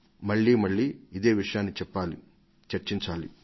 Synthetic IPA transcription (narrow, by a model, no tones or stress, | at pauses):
mɐɭːimɐɭːiːd̪e̞ːʋiʂɐjaːnːit͡ʃɛpːaːli | t͡ʃɐɾt͡ʃiɲt͡ʃaːli